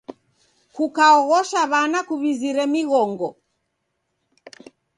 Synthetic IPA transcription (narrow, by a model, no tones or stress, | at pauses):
kukaɔɣɔʃaβanakuβiziɾɛmiɣɔŋɡɔ